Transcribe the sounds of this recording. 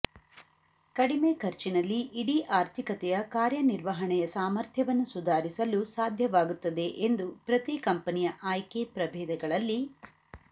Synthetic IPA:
kɐɽimekʰɐɾt͡ʃinɐlːiʔːɽiʔaːɾt̪ʰikɐt̪ɛjɐkaːɾjɐniɾʋɐɦɐɳɛjɐsaːmɐɾt̪ʰjɐʋɐnːusud̪ʱaːɾisɐlusaːd̪ʱjɐʋaːɡut̪ːɐd̪e̞ʔend̪upɾɐt̪ikɐmpɐnijɐʔajkepɾɐbʱeːd̪ɐɡɐɭɐlːi

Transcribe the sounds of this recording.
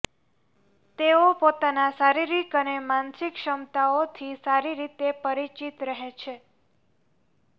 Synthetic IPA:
t̪eopot̪anasaɾiɾikənemansikʃəmt̪aot̪ʰisaɾiɾit̪epəɾit͡ʃit̪ɾəɦet͡ʃʰe

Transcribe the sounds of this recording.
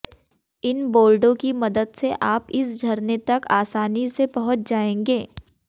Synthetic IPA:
ɪnboːlɖõkimɐd̪əd̪seʔaːpɪsɡʱɐɾnet̪ɐkaːsaːnisebɐɦʊt̪̚d͡ʒaːẽːŋɡeː

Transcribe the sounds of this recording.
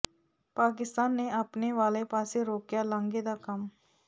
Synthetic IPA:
paːk̬ɪst̪aːnːeɐpneʋaːlepaːseɾoːkjalãŋɡed̪akɐm

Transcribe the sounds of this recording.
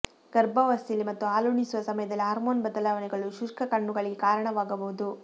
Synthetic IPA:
ɡ̥ɐɾbɐʋɐst̪ilːimɐt̪ːuaːluːɳisuʋɐsɐmɐjɐd̪ɐlːiɦaːɾmoːnbɐd̪ɐlaːʋɐnɛɡɐɭuʃuʂkʰɐkɐɳːuɡɐɭiɡekaːɾɐɳɐʋaːɡɐbuʋud̪u

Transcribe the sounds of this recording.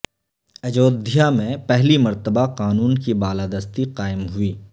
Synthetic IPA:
ɐd͡ʒoːd̪ʱijamẽpɛɦlimɐɾt̪əbaqaːnuːnkibaːlaːd̪ɐst̪iqaːɪmɦʊiː

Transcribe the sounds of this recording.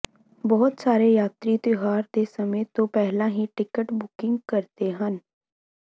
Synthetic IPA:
bɔːt̪saːɾeːjaːt̪ɾiːt̪ɪɦaːɾd̪eːsəmẽːt̪õːpɛɦlãːɦĩːʈɪkəʈbʊkɪŋɡkəɾt̪eːɦən

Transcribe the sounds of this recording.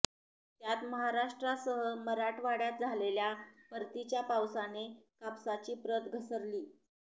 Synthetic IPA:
t̪jat̪məɦaɾaʂʈɾasəɦəməɾaʈʋaɽjat̪̚d͡zʱaleljapəɾt̪it͡ɕjapawsanekapsat͡ɕiːpɾət̪ɡʱəsəɾliː

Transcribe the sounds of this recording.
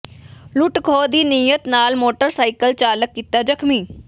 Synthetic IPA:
lʊʈkʰoːd̪iːnijət̪naːlmoːʈəɾsaːɪkəlt͡ʃaːləkːiːt̪aːd͡ʒəkʰmiː

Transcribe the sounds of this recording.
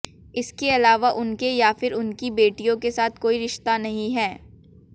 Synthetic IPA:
ɪskeɐlaːʋaʔʊnkejafɪɾʊnkibeːʈijõkesaːt̪̚ʰkoːiɾɪʃt̪anɐɦĩɦɛː

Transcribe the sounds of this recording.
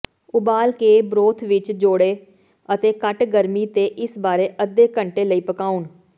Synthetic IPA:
ʊbaːlkeːbɾoːt̪ʰʋɪt͡ʃd͡ʒoːɽeː | ət̪eːkəʈɡəɾmiːt̪eːʔɪsbaːɾeːʔəd̪ːeːkəɳʈeːləiːpəkaːuːn

